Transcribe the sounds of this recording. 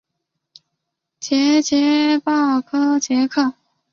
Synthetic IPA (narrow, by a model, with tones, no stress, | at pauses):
t͡ɕjɛ˧˥t͡ɕjɛ˧˥pɑ˥˩ʊkʰɤ˥t͡ɕjɛ˧˥kʰɤ˥˩